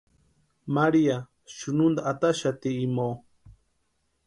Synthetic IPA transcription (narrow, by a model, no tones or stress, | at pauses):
maɾia | ʃunund̪aʔːt̪aʃat̪iːmo